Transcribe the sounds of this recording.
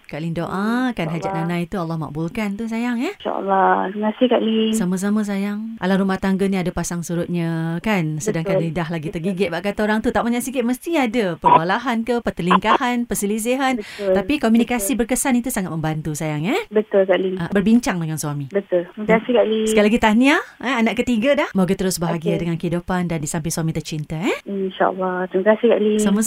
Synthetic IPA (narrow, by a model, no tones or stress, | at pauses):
kaʔlindoʔakanɦad͡ʒaʔnanãit̪ualːɑhma̰k̚bulkant̪us̬ajaŋɛʃa̰ʔə̰lːɔŋasɪhkaʔlisamas̬amãs̬ajaŋʔa̰laɾumaht̪aŋɡəniadapasaŋsuɾʊt̪̚ɲəkansədaŋkanlidaɦlaɡit̪ərɡiɡɪʔ̪̚baʔkat̪aoɾaŋt̪ut̪aʔmaɲaʔsikɪt̪̚məst̪iadapərbalaɦankəpət̪əliŋkahanpəsilis̬iɦanət̪apikomjunikasibərkəsanit̪usaŋat̪̚mə̃mbant̪usajaŋɛbət̪ʊlkaʔliabərbiɲt͡ʃaŋdəŋanswamibət̪ʊlt̪iməkasihkaʔlisəajlaɡit̪aniaɛanaʔkət̪iɡadahmoɡət̪əɾʊsbaɦaɡiadəŋankəɦidupandandisampɪlswamit̪ərt͡ʃint̪aɛinʃa̰ʔa̰lːɑt̪ɾiməkasɪhkaʔlisamə